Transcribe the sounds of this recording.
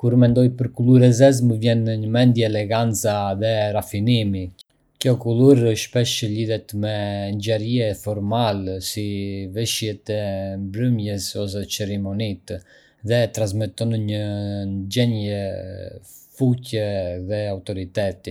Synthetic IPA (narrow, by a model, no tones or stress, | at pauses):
kuɾmɛnd̪ɔjpəɾkulˠuɾɛzɛzməvjɛnɲəmɛnd̪jɛɛlɛɡant͡saðɛɾafinimi | kjɔkuluɾʃpɛʃəliðɛt̪mɛɲd͡ʑɛɾiɛfɔɾmalɛsivɛʃjɛt̪ɛmbɾəmjɛsɔs̬ɛt͡sɛɾɛmɔnit̪ | ðɛt̪ɾas̬mɛt̪ɔnɲənd͡ʒɛɲɛ | fucɛðɛawt̪ɔɾit̪ɛt̪i